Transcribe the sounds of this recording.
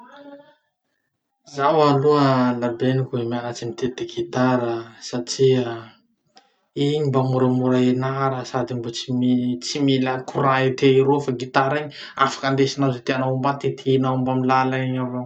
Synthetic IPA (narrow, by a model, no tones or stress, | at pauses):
zawaluəlabenikʲuemianat͡ʃinit̪et̪eɡit̪aɾəsaʈ͡ʂia | iɲimbamuɾəmuɾaenaɾəsad̪imbot͡simit͡similakuɾaet̪eiɾofaɡit̪aɾaɲi | afḁkand̪esinazet̪eanaumbat̪et̪ʰenaumbamilalaiɲava